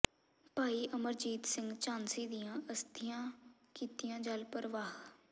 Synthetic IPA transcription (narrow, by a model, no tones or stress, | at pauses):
paːiːʔəməɾd͡ʒiːt̪sɪ̃ŋɡt͡ʃaːnsiːd̪ijãːʔəst̪ʰɪjãːkiːt̪ijãːd͡ʒalpəɾəʋaːɦ